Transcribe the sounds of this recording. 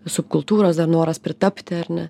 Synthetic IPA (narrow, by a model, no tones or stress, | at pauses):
sʊpkʊlˠt̪uːɾosd̪ɐɾnoːɾɐspʲɾʲɪt̪ɐpʲt̪ʲɪɐɾnʲɛ